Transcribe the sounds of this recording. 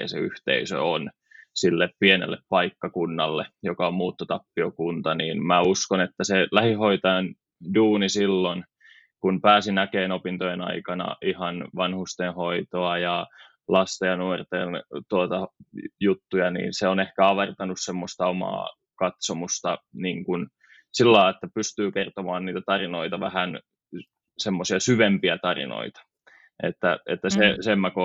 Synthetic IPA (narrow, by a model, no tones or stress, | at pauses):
ɑ̰sḛy̰ht̪ḛisø̰on | silːeppienḛlːeppɑikːɑkunːɑlːejokɑommuːt̪ːot̪ɑpːiokunt̪ɑniːnmæuskonet̪ːæselæhihoit̪ɑɑn | duːnisilːon | kunpæːsinækeːnopint̪ojenɑ̰ikɑnɑ̰ʔihɑnʋɑnhust̪enhoit̪oɑjɑ | lɑst̪ɑjɑnuort̪ent̪uot̪ɑjut̪ːujɑnḭːnseonehkæɑʋɑrt̪ɑnussemːost̪ɑomɑ̰ː | kɑt̪somust̪ɑniːŋkun | silːɑːet̪ːæpyst̪yːkert̪omɑːnniːt̪æt̪ɑrinoit̪ɑʋæhæn | semːosiɑsyʋempiæt̪ɑrḭno̰it̪ɑ̥ | ʔḛt̪ːæet̪ːæsesemːæko